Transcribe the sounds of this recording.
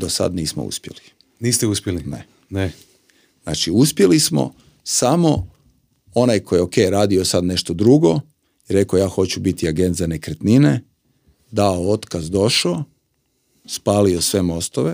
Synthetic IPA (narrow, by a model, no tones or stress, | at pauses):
d̪osa̰d̪niːsmo̰ṵspje̞̰li̥ | niːst̪euspʲjelinḛ | ne | zna̰ːt͡ʃiuspje̞lismo̰ | samo̞ | onajkʰo̞jeokejɾaːd̪io̞sad̪ne̞ʃt̪od̪ɾuɡo̞ | iɾe̞kojaːxo̞t͡ɕubit̪iaɡe̞nt̪zane̞kɾet̪nine | d̪aoot̪kazd̪o̞ʃo | spaːliosʋe̞mo̞st̪oʋe